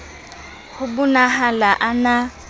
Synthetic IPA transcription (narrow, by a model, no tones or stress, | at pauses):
hʊbʊnaɦalaʔana